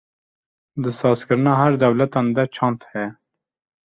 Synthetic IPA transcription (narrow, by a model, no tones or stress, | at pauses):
d̪ɨsɑːskɨɾɨnɑːɦæɾd̪ɛwlɛt̪ɑːnd̪at͡ʃʰɑ̃ːnt̪hɛ